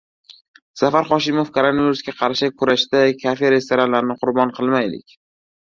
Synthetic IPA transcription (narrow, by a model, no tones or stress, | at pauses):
safaɾχɒʃɪmofkʰoɾonaviɾusɡʲaqʰɑɾʃɪkʰʊɾaʃd̪akʲʰafeɾe̞st̪ʰoɾanlaɾɪnɪqʰʊɾbɒnqʰɨlˠmajlɪ̰kʲ